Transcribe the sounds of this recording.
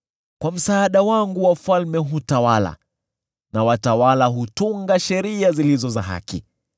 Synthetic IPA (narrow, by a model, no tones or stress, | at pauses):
kwam̩saːɗawaŋɡuwafalmɛɦutawala̰ | nawatawalaɦutuŋɡaʃɛɾiazilizɔzaɦa̰kḭ